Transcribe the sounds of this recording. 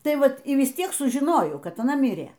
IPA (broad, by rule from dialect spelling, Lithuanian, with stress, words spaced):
ˈtɐɪ ˈʋɐt iː ʋʲɪs ˈtʲiɛk sʊʒʲɪˈnoːjɛʊ ˈkɐt ɐˈnɐ ˈmʲɪrʲiɛ